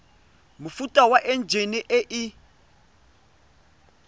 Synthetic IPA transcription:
mʊfutʼawaʔɛnd͡ʒʱeniʔɛʔɪ

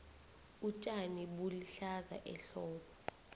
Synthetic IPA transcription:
ut͡ʃʼaniɓuliɬaza̰ʔɛɬɔːɓɔ

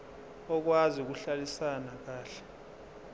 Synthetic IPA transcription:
ɔk̬waziuk̬uɬalisanak̬aːɬɛ̥

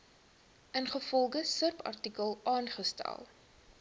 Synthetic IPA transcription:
ənχəfɔlˠɡəsərpɐ̰rtikəlˠɑːnχəstæ̰lˠ

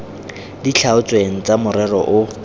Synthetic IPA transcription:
dit͡ɬʰaʊt͡sʼweŋ̩t͡samʊrɛrɔ̰ʔʊ

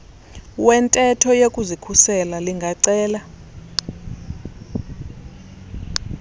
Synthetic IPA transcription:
wɛntʼɛtʰɔjekʼuzikʰusɛlaliŋɡʱaǀɛːla

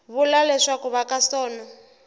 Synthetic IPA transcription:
βulalɛʂakuβakasɔːnɔ

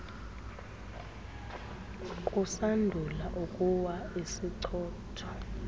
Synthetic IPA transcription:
kʼusandʱulaʔukʼuwaisiǀʰɔːtʰɔ̥

